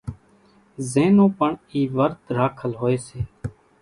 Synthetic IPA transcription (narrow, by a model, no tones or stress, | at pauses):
zẽːnõːpəɳiːʋəɾt̪ɾaːkʰəlɦoːeːseː